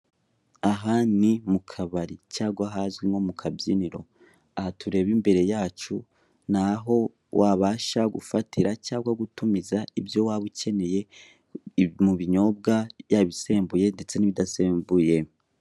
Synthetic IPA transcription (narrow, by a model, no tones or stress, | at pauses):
aɦaːnimukʰaβaɾicaːɡwaɦazɡimŋo̞mukʰabjiniɾo̞̰ | ahatuɾe̞βimbe̞ɾe̞jaːt͡ʃu | naɦo̞ | wʔaβaːʃaɡṵfatʰiɾacaːɡwaɡutumizaibjo̞waβuce̞ne̞je̞ | muβiɲo̞b̚ɡajaβise̞ːmbuje̞nde̞t͡se̞niβidaseːmbuje̞